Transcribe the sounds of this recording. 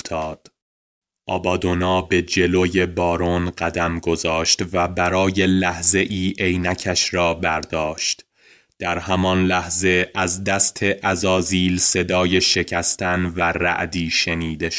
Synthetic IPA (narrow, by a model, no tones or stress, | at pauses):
t̪ʰɒːd̪̥ | ʔɒ̰ːbɒːd̪onɒːbe̞d͡ʒe̞loje̞bɒːɾonɢæd̪æmɡo̞zɒːʃt̪væbæɾɒːje̞læhze̞ʔiːʔejnæcʰæʃɾɒːbæɾd̪ɒːʃt̪ | d̪̥æɾhæmɒnlæhze̞ʔæzd̪æst̪ʰe̞ʔæzɒːziːlse̞d̪ɒːje̞ʃe̞cʰæst̪ʰænværæ̰ʔd̪iːʃe̞niːd̪eʃ